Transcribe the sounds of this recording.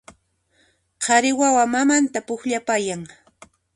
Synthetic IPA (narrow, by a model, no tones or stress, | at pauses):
qʰɑɾɪwawamamant̪apʊxʎapajaŋ